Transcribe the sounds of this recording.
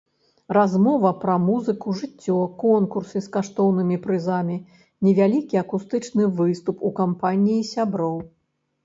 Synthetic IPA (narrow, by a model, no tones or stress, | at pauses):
ɾazmɔvɐpɾɐmuzɨkuʐɨt͡sʲːɔkɔnkursɨskaʂt̪ɔwnɨmʲipɾɨzamʲi | nʲɛvʲalʲikʲiɐkust̪ɨt͡ʂnɨvɨst̪upukampanʲiːsʲabɾɔw